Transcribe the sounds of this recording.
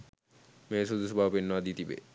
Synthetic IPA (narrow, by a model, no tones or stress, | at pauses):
mesud̪usobʱapenːoad̪it̪ibḛ